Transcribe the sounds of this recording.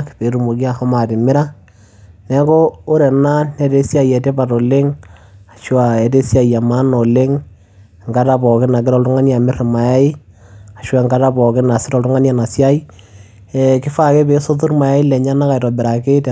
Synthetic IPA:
kpe˨˦ɾu˨mo˨ki˦a˦˨xɔ˦ma˨tɪ˨mɪ˦ɾa˦ | nɛ˦ko˦o˦ɾɛ˨na˦nɛ˦te˦sja˦jɛ˨te˦pa˨to˨le˦ŋa˨ʃwa˨ɛ˨te˦sja˦˨ja˨ma˦no˨le˦ŋ˨ | ŋɡa˦ta˦pɔ˨kɪ˦na˨k̬ɪ˦ɾɔ˦˨ltu˦ŋa˦nja˨mɪ˦ɾe˨ma˨ja˦i˦ | a˨ʃa˨ŋɡa˦ta˦bɔ˨kɪ˦na˨sɪ˦tɔ˨ltu˦ŋa˦nja˨na˨sja˦i˦ | ɛ˨kɪ˦fa˦˨ke˦be˨˦so˦tu˦ɾma˨ja˦i˦lɛ˨ɲa˦na˦ka˨i˨tɔ˨bɪ˨ɾa˨ke˦t

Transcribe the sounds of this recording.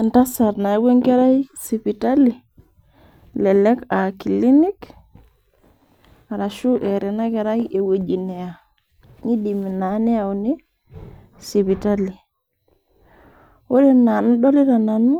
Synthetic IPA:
e˨nta˦sa˨ɾna˨˦we˦ŋke˦ɾa˦jsi˨pi˨ta˦li˨ | lɛ˨lɛ˦ka˨ki˨li˦ni˦k | a˨ɾa˨ʃu˦ʔe˨ɾɛ˨na˦ke˨ɾa˦je˨we˨d͡ʒi˨ne˨a˨ | ni˦di˨mi˨na˨˦ne˦a˨u˨ni˦ | si˨pi˨ta˦li˨ | o˦ɾe˦na˨nu˦dɔ˦li˦ɾa˨na˨nu˦

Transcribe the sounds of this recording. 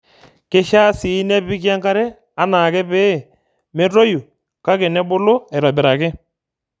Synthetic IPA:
ke˦ʃa˦si˨˦nɛ˦pɪ˦kja˦ŋka˦ɾɛ˦ | a˨na˨kɛ˦pɛː˦˨ | mɛ˦ɾo˦ju˨ | ka˦kɛ˨nɛ˦bʊ˦lʊ˦ɛ˨ɾɔ˨bɪ˨ɾa˨kɛ˦

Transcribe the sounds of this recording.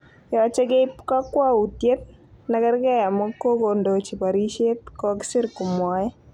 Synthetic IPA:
jɔ˨t͡ʃe˦ke˦pka˦kwa˦u˨tje˦t̚ | na˦kɛ˦ɾkɛ˦ja˨mɔ˦ko˦ko˨ndo˨t͡ʃi˨pa˨ɾi˦ʃe˦t̚kɔ˦kɪ̥sɪ˦ɾkʊ˨mɔ˨˦ɛ˦

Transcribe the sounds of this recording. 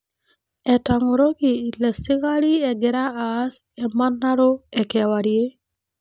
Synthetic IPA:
ɛ˨taŋo˨ɾo˦kɪi˨la˨sɪ˦ɣa˦ɾi˦ɛ˨ɡɪɾa˦aː˦sɛma˦nːa˦ɾo˦ɛ˨kɛwaɾje˦

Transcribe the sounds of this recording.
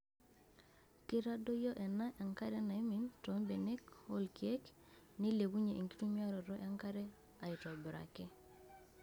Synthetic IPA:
ki˦ɾa˦do˦jɔ˦ʔɛ˨na˦ʔa˨ŋka˦ɾɛ˦na˨i˦mi˨˦ntɔ˨˦mbe˨ne˦khɔ˦lki˨e˦k | ni˦le˨ku˦ɲe˨ʔi˨ŋki˦tu˦mia˦ɾɔ˨ɾɔ˦ʔa˦ŋka˦ɾɛ˦ | a˨ɪ˨tɔ˨bɪ˨ɾa̰˨kɪ˦

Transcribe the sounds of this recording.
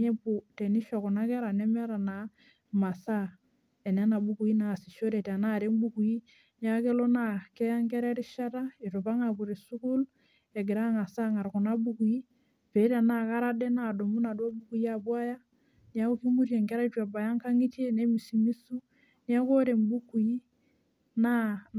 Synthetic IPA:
ɛ˦bu˨te˨ni˦ʃɔ˨ku˨na˦kɛ˦ɾa˨nɛ˦mɛ˦ɾa˨na˨ | ma˨sa˦ | e˨nɛ˦na˨bu˦ku˨i˦na˨si˨ʃo˦ɾe˨tna˦˨ɾe˦mbu˦ku˨ji˦ | n˦a˦ke˦lo˦na˨kɛ˦ja˦ŋkɛ˦ɾɛ˦ɾi˦ʃa˦ta˦i˨tu˨pa˦ŋa˨ku˨ɾi˨su˦ku˦l | ɛ˨ɡɪ˨ɾa˦ŋa˨sa˦ŋa˨ɾku˨na˦bu˦ku˨ji˦ | pe˨˦ta˨na˦˨ka˦ɾa˦dɛ˦na˨do˨mu˦na˨dwa˦bu˦ku˨ji˦a˨bwa˦ja˦ | nja˦ku˦ki˦mu˦ɾje˨ŋkɛ˦ɾa˦t͡ʃwa˨ba˨ja˦ŋka˦ŋi˦te˦ne˦mi˨si˨mi˦su˦ | ni˦a˦ko˦ɾe˨mbu˦ku˨ji˦ | na˦

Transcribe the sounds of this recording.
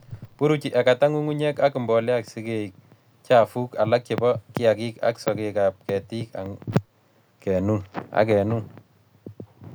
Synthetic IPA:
pu˦ɾu˦t͡ʃi˨ʔɛ˨ka˨ta˦ŋu˦ŋu˦ɲɛ˦ka˦ki˨mbɔ˨lja˦ksi˦ke˦i˨k̚ | t͡ʃa˦fu˦ka˨la˦k̚t͡ʃe˨bɔ˦ki˦a˨ki˦ka̰˦ksɔ˨keka˨p̚kɛ˨ti˦ka̰˨ŋ | kɛ˨nu˦na̰˦k̬ɛ˨nu˦n

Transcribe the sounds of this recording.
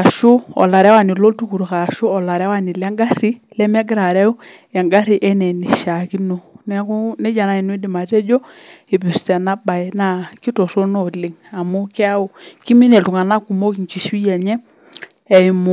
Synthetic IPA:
a˨ʃu˦ɔ̰˨la˨ɾɛ˦wa˦˨ni˨lo˦tu˦ku˨ɾka˨ʃʊ˦ɔ˨la˨ɾɛ˦wa˦ni˨lɛ˦ŋɡa˦ri˦lɛ˦m˦ɛ˦ɡɪ˦ɾa˨ɾɛ˦u˦ | ɛ˨ŋɡa˦ɾi˨ʔɛ˦nɛ˨ni˨ʃa˨ki˦no˦nɛ˦ku˦nɛ˦d͡ʒa˨na˨i˨n˦i˦dɪ˨ma˨te˦d͡ʒo˦e˨pi˨stɛ˨na˦ba˨ɪ˨˦na˦ki˦to˨ro˦no˦˨lɪ˨ŋa˨mu˦kɛ˦a˦o˨ki˦mi˦ne˨tu˨ŋa˨na˦ku˨mo˦ki˨ŋt͡ʃi˨ʃu˦jɛ˨ɲɛ˦ | ɛ˨i˨mu˨

